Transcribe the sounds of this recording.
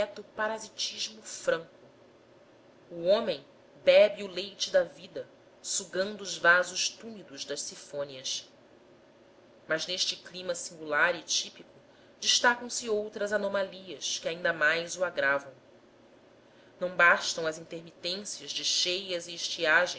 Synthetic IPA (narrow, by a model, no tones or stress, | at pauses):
ɛt̪ʊpaɾazit͡ʃiʒmʊfɾɐ̃ŋkʊ | uõmẽj̃ | bɛbiulejt͡ʃɪd̪ɐvid̪ɐ | suɡɐ̃nd̪ʊːzvazʊʃt̪umid̪ʊʒd̪ɐʃsifõniɐs | mɐzneʃt͡ʃɪklimɐsĩŋɡulaɾit͡ʃipikʊ | d͡ʒɪʃt̪akɐ̃w̃sɪowt̪ɾɐzanomaliɐskɪaĩnd̪ɐmajzuaɡɾavɐ̃w̃ | nɐ̃w̃baʃt̪ɐ̃w̃ɐzĩt̪eɾmit̪ẽsijɐzd͡ʒɪʃejɐzɪːʃt͡ʃiaʒẽ